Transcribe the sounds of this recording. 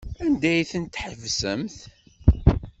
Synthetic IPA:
ænd̪æjθənt̪ħəvsəmθ

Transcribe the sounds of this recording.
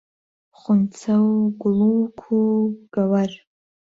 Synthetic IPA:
χʷʊnt͡sʰawɡʊluwkʷʰuɡ̥awar

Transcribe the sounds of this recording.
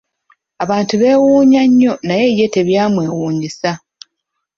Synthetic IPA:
aβaːntuβe̞ːwuːɲaɲːo̞naje̞je̞te̞βjaːmwe̞ːwuːɲisa

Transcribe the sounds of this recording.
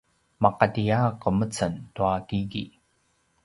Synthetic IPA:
mɑqɑt̪ijaːqəmət͡sant̪uakiɣḭ

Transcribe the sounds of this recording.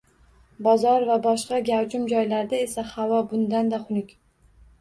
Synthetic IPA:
bɒzɒɾvabɒʃqɑɡʲawt͡ʃʊmd͡ʒɒjlaɾd̪ae̞sahavɒbʊnd̪and̪aχʊnɪkʲ

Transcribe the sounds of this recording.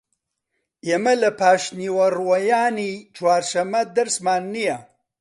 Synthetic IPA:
jemalapaːʂniwaɾwajaːnit͡ʃwaːɾʃɐmad̪ɐɾsmaːnːija

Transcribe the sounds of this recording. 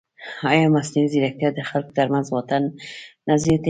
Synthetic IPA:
ɑjɑmasniiziɾak̚t̪ijɑd̪exalkd̪aɾmazwɑt̪anːazit̪e

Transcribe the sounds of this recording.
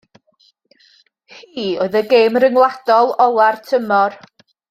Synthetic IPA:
hiːoɨðəɡejmrəŋlˠad̥ɔlˠɔlˠartʰəmɔr

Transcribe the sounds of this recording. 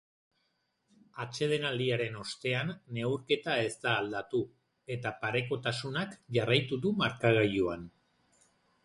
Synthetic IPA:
at͡ʃe̞ð̞e̞nald̪iaɾe̞no̞st̪e̞anːe̞wɾke̞t̪ae̞zt̪aːld̪at̪u | e̞t̪apaɾe̞ko̞t̪asunakʝarajt̪uðumaɾkaɣ̞ajuan

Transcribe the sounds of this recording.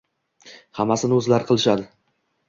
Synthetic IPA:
hamːasɪnɵzlaɾqʰɨlˠɪʃad̪ɪ

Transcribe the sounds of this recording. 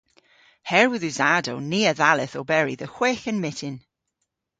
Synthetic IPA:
hɛɹwɪðʉzadowniːəðalˠɪθɔbɛɹḭðəxweːxənmɪtʰɪn

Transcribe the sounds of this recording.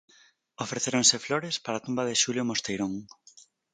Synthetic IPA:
ofɾeθeɾoŋsɪfloɾespaɾat̪umbaðɪʃuljomost̪ejɾõŋ

